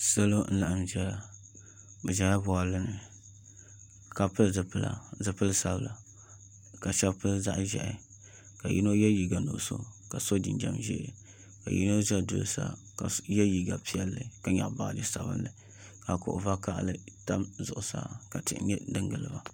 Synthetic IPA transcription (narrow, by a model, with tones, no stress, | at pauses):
sa˦lo˦n̩˦la˨ʔa˨mʒɛ˦a˨ | bɨ˨ʒa˨ŋ˦a˦bʊ˨a˨lɨ˦nɨ˨ | ka˨pɨ˦lzɨ˨pɨ˦la̰˦zɨ˨pɨ˦lsa˦bla˨ | ka˨ʃɛ˦bpɨ˦lza̰˦ʔʒɛ̰˨ʔɪ˦ | ka˨jʔḭ˦no˦jɛ˦ji˨ɡa˨nʊ̰˨ʔso̰˦ka˨so˦dḭ˨nd͡ʒa̰˦mʒɛ̰˦˨ | ka̰˨jḭ˦no˦ʒɛ˦dʊ˨lsa̰˦ | ka˨jɛ˦ji˨ɡa˨pi˦ɛ˦lːɨ˨ka˨ɲa̰˨ʔba˨dɨ˦sa˨bɨ̰˦nːɨ˨ | ka˨kʊ̰˨ʔʊ˨va˦ka˦ʔlɨ˦ta˦mzʊ˨ʔʊ˨sa̰˦ka˨tɨ̰˨ʔɲɛ˦dɨ˦ŋɡɨ˨lɨ˨ba˨